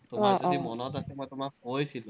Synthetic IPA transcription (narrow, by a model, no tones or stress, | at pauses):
t̪umazodimɔnɔt̪asɛmɔjt̪umakɦojsʰilu